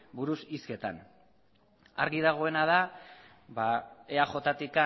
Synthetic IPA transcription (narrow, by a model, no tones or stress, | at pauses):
buɾusiske̞t̪a̰n | a̰ɾɣiðaɣ̞o̞e̞nað̞a | βae̞aχo̞t̪at̪ika